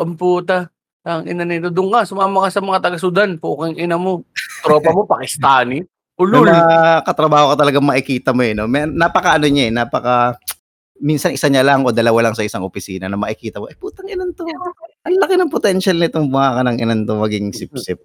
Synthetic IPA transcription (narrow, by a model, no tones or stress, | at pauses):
ʔɐmpuːt̪a | ɐŋɪ̰nanɪt̪od̪ʊŋkasʊmamɐŋasɐmɐŋat̪ɐɡɐsʊd̪anpukɪŋʔɪnɐmo̞t̪ɾo̞ːpɐmo̞pɐkɪst̪aːnɪ | ʔʊlʊɐkɐt̪ɾɐbaːhokɐt̪ɐlɐɡaŋmɐʔɪkiːt̪ɐmoɛno̞mɛnaːpɐkɐʔɐno̞ɲaɛnaːpɐkɐ | minsɐnʔɪsaɲalɐŋʔo̞ːd̪ɐlɐwalɐŋsɐʔɪsaŋʔopɪsiːnɐnɐmɐʔɪkiːt̪ɐmoʔɛpuːt̪ɐŋɪnɐnt̪omaʔɐnlɐkɪnɐŋpot̪ɛnʃɐlnɐɪt̪oŋbʊhaːkɐnɐŋʔɪ̰nɐnt̪omɐɡiŋsɪp̚sɪp̚